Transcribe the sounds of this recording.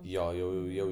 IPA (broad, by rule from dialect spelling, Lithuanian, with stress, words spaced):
ˈjoː jɛʊ jɛʊ ˈjɛʊ